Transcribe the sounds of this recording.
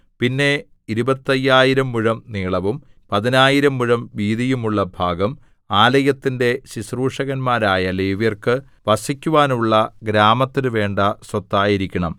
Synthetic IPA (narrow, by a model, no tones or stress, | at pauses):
pinːe̞ | iɾubɐt̪ːɐjːaːjiɾɐmːuɻɐmniːɭɐʋumpɐðinaːjiɾɐmːuɻɐmʋiːðijumuɭːɐbʱaːɡɐm | aːlɐjɐt̪ːinde̞ɕisruːʂɐɣɐnmaːɾaːjɐleːʋjɐrkɨ | ʋɐsikʲːuʋaːnuɭːɐɡɾaːmɐt̪ːinɨʋe̞ːɳɖɐswɐt̪ːaːjiɾikʲːɐɳɐ̰m